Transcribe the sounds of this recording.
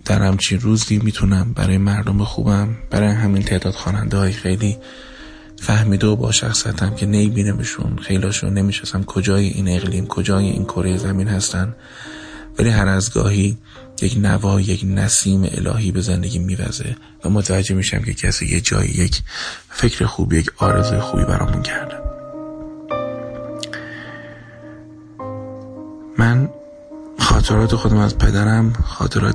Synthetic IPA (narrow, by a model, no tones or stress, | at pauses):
d̪̥æɾhæmt͡ʃʰinruːziːmiːt̪ʰunæmbæ̰ɾɒːjemæɾd̪o̞mexṵːbæmb̥æɾɒːjeɦæmiːnt̪ʰe̞ːd̪ɒːd̪̥xɒːnænd̪ehɒːjexejliː | fæhmiːd̪eobɒ̰ːʃæ̰xsijæt̪ʰæmcʰe̞nemibiːnebeʃṵnxe̞jlɒːʃo̰ne̞miːʃnɒsæmkʰo̞d͡ʒɒːjeʔiːne̞ɣliːmkʰo̞d͡ʒɒːjeʔḭːnkʰo̞ɾe̞jezæmiːnhæst̪ænd̪ | væliːɦæɾæzɡɒ̰ːhiː | jecnævɒːje̞cnæsiːmḛʔḛlʔɒ̰ːɦiːbe̞zend̪e̞ɟʲiːmiːvæ̰ze̞̰ | væmot̪ʰævæd͡ʒːemiːʃæ̰mcʰe̞cʰæsḭːjḛd͡ʒɒ̰ːjḭjecʰ | fe̞cʰɾexuːbijecʰɒːɾe̞zuːjexuːbḭːbæ̰ɾʔɒ̰ːmuncʰæɾd̪̥e | mæn | xɒːt̪ʰe̞ɾɒːt̪ʰe̞xo̞d̪æmæzpʰed̪æɾæmxɒ̰ːt̪ʰeɾɒ̰ː